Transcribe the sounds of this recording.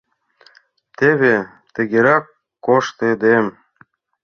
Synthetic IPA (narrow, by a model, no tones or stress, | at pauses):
t̪eβe | t̪ɘ̆ɡʲeɾɑkː | oʃt̪ed̪em